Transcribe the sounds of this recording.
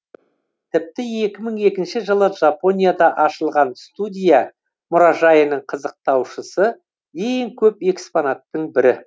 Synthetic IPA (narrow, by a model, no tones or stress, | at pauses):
t̪ʰɪp̚t̪ɪe̞kʲɪməɴe̞kʲɪnʃɪʒəlˠəʒapo̞nʲijad̪ɑʔɑʃəlˠʁɑnst̪ud̪ʲija | mʊɾɑʒɑjənəɴqʰəzəq̚t̪ɑwʃəsə | e̞ŋkʲʰɵpe̞kspo̞nat̪ːəɴbɪɾɪ